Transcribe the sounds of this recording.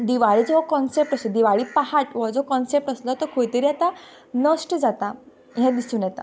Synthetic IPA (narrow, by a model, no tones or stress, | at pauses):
d̪iʋaɭiːd͡zɔɦɔkɔnsep̚ʈəsld̪iʋaɭiːpaɦaʈʋɔd͡zɔkɔnsep̚ʈəslɔt̪ɔkʰojt̪eɾiat̪a | nəsʈd͡zat̪a | ɦɛ̃d̪isũːnjɛt̪a̰